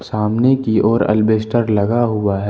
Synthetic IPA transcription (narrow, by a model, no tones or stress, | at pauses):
saːmnekiʔɔːɾɐ̰lbeːsʈəɾlɐɡaɦʊaɦɛ